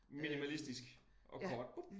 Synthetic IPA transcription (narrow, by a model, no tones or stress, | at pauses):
minimælisd̥isɡ̥ | ʔɒ̽kʰɒ̰ːd̥